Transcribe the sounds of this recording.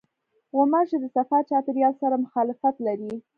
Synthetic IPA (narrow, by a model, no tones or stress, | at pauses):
wamɑʒed̪əsafaɾt͡ʃɑt̪ɪɾjɑlsaɾamʊxɑlɪfat̪laɾi